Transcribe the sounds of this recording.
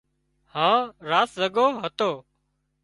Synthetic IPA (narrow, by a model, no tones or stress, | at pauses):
hãːɾaːszəɠoːɦət̪oː